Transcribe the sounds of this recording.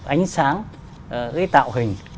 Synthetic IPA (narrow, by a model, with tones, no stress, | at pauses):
ʔa˨˦jŋ̟saː˨˦ŋ | ɣə̰˧˥t̪a̰ː˧˨wɦï˨˩ŋ̟